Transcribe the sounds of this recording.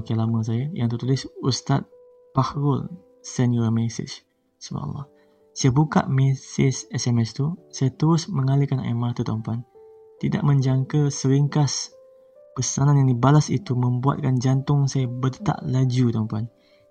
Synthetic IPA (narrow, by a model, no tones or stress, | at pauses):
kalamə̃s̬ajaja̰ŋt̪ərt̪ulɪsust̪at̪̚ | pahɾʊl | sɛnuamɛsɪ̰t͡ʃ | suma̰ʔlːɔ̰h | sajabuka̰ʔmɛsɪsɛsɛmɛst̪usajat̪əɾʊsmə̃ŋalikana̰jmat̪ut̪ampuan | t̪ida̰ʔmə̃ɲd͡ʒaŋkəsəɾiŋkas | pəsananjaŋdibalasḭt̪umə̃mbua̰t̪̚kand͡ʒant̪ʊŋsajabətt̪a̰ʔlad͡ʒut̪ampuan